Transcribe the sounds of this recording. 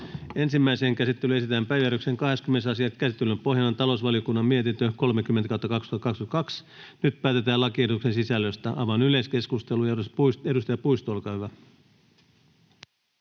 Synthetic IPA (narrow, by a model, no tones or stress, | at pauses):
e̞nsimːæiseːŋkæsit̪ːelye̞s̬it̪æːmpæjʋjæɾykseŋkɑɦeskymːenesɑsiɑt̪kæsit̪ːelympo̞ɦjɑnont̪ɑlo̞usʋɑlijo̞kunːɑmmie̞t̪int̪øko̞lmekymːent̪ækɑwut̪ːɑkɑkst̪uhɑt̪ːɑkɑksyt̪ɑkɑks | nyt̪̚pæːt̪e̞t̪æːlɑkied̪ukse̞nsisælːøst̪æʔɑ̰ʋɑnyle̞ske̞skust̪e̞lujæuspusedust̪ɑjɑpuist̪oːlkɑɥʋæ